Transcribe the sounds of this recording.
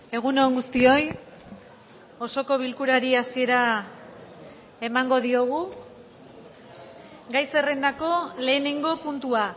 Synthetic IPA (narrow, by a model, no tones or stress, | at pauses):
e̞ɣ̞unoŋɡust̪io̞j | o̞so̞ko̞β̞ilkuɾaɾiasie̞ɾa | emaŋɡo̞ðio̞ɣ̞u | ɡajse̞re̞nd̪ako̞le̞ːneŋɡo̞punt̪ua